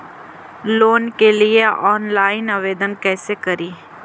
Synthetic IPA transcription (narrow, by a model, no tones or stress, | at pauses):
loːnkelieʔɔːnlaːɪnɐʋeːd̪ənkɛːsekɐɾiː